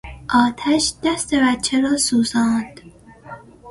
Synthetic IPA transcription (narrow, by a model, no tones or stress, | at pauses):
ʔɒːt̪ʰæʃd̪̥æst̪ebæt̪t͡ʃʰːeɾɒːsuːzɑːnd̪̥